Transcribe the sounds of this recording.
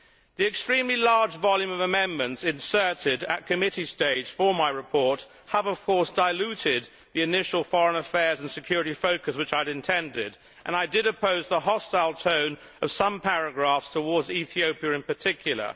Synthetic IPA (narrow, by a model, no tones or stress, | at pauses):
ðiɨkstɹ̥ĩmlilɑɹd͡ʒvɑlˠjʉ̃mʌvəmɛ̃nmɨ̃ntsɨ̃nsɜ˞ɾɪɾɨ̰t̚kʰɨmɪɾisteɪd̥ʒ̥fə˞maɪɹɨpʰɔɹt̚ | həvʌv̥kʰɔɹsd̥aɪlʉɾɪd̪̚ | ðiɨnɪʃl̩ˠfɑɹə̃nəfɛɹz̃n̩sɨkʰj̥ʊɹɨɾifoʊkɨswɨt͡ʃaɪɨɾɨ̃ntʰɛ̃ndɪɾ | ʔɨ̃naɪdɨɾɨpʰoʊzðəɦɑstaɪlˠtʰõʊ̃n | ʌv̥sʌ̃mpʰæɹɨɡɹæfstʰəwɔɹdziθioʊpiɨɨ̃npə˞tʰɪkʰjl̩ˠə̰˞